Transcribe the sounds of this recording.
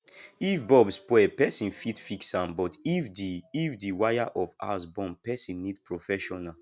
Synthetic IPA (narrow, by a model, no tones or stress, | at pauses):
ifbɔbspwɛpɛsĩnfitfiksãmbɔtifdiːfdiwajaʔɔva̰sbɔ̃mpɛsĩnːidpɹofɛʃɔna